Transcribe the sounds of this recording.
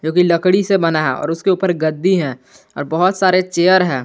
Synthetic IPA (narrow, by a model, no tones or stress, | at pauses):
d͡ʒõːkilɐkɽisebɐnaɦɛ̰̃ɔ̰ːɾʊskeuːpəɾɡəd̪ːiɦɛ̃ː | ɔ̰ːɾbɐɦʊt̪saːɾet͡ʃeːəɾɦɛ̃ː